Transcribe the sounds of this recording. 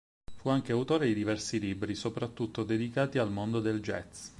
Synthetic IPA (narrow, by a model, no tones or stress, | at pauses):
fuaŋkeawt̪oːɾed̪id̪ivɛrsilibɾisopɾat̪ːut̪ːod̪ed̪ikaːt̪ialmond̪od̪eld͡ʒɛ̰t̪s